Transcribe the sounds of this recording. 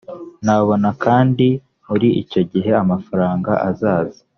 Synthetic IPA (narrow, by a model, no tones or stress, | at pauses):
naβo̞nakʰaːndi | muɾiico̞ɟiɦe̞amafaɾaːŋɡaʔazaːzi